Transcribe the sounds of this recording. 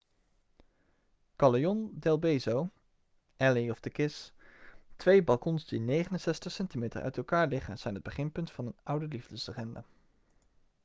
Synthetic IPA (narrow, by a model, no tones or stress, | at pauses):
kɑlejɔndɛlˠbejzow | ʔɛliɔvdəkɪs | tʋejbɑlˠkɔnzdinejχənənsɛstəχsɛntimejtə̰ɹʔœ̰ɥtɛlˠkaːɹlɪχənz̥ɛjnɦəd̚bəχɪnpɵntfɑnənʔʌwdəlivdəsərɛnda̰